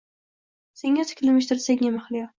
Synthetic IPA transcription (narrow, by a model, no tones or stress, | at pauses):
se̞ŋːʲat̪ʰɪ̥kʲlɪmɪʃ̬t̪ɪɾsakʲnʲemaχlɪjɒ